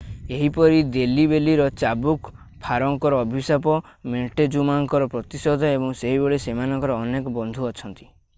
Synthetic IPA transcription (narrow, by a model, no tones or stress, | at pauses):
eɦipɔɾid̪elibeliɾɔt͡ʃabuk | pʰaɾɔŋkɔɾɔːbʱisapɔ | meʈed͡ʒumaŋkɔɾɔpɾɔt̪isɔd̪ʱɔebɔŋseɦibeɭesemanɔŋkɔɾɔːnekɔbɔnd̪ʱuɔt͡ʃʰɔnt̪i̥